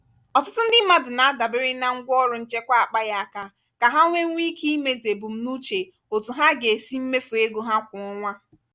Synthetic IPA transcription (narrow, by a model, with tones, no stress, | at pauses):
ɔ˨tʊ˦tʊ˦n̩˦dɪ˦ma˦dʊ˨na˨a˦da˨bɪ˦ɾɪ˦na˦ŋ̩˦ɡʷɔ˦ɾʊ˦n̩˦t͡ʃe˦kʷa˦a˨k͡pa˦ja˦a˦˨ka˦ | ka˨ɦa˦ŋʷe˦ŋʷi˦ki˦me˦ze˨bu˨m̩˦nu˦t͡ʃe˨ | o˨tu˨ɦa˦ɡe˨si˦m̩˦me˦fu˨e˦ɡo˨ɦa˦kʷʊ˨ɔ˦ŋʷa˦